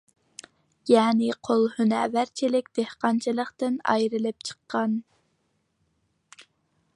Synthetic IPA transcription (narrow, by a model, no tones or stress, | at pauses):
jɛːnɪqʰolˠhynævæɾt͡ʃʰilɪk̚ʲd̪̥ehqɑnt͡ʃʰilˠəχt̪ɨnɑ̰jɾɨlɪp̚t͡ʃʰə̥qʰːɑn